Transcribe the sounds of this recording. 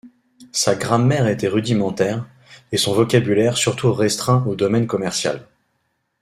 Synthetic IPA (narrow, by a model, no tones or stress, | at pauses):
saɡʁɑ̃mɛʁet̪ɛʁyd̪imɑ̃t̪ɛʁ | esɔ̃vɔkʲabylɛʁsyʁt̪ʰuʁɛst̪χɛ̃od̪ɔmɛnkɔmɛʁsja̰l